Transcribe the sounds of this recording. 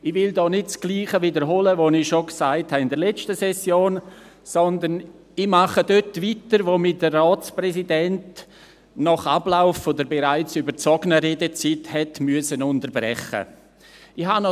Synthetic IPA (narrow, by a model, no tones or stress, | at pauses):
ɪʋɪldɔːnɪt̚t͡sɡ̥liːχəvidəɾɦoːləvonɪʃoksaɪthaɪndəɾlɛt͡stəsɛsjoːn | sɔnd̪ən | ɪmaχədøtvitəɾʋomidərɔːt͡sprɛsidɛnt | nɔχablaʊfːodəɾbeɾaɪt͡sybəɾt͡sɔɡənəɾeːdət͡sithɛtmyəsənʊntəɾbrɛ̰χə̰ | ɪhanɔ